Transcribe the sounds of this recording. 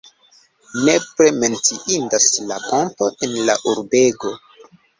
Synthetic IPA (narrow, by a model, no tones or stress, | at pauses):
ne̞pɾe̞me̞nt͡siʔindaslaponto̞enlaʔuɾbe̞ɡo̞